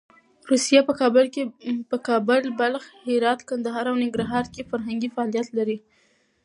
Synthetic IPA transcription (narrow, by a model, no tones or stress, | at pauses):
ɾusijapəkɑblkepəkɑbʊlbalxhɪɾɑt̪kand̪aɦɑɾawnɪŋɡɾɑɦɑɾkefaɾɦaŋɡifaɑlijat̪laɾi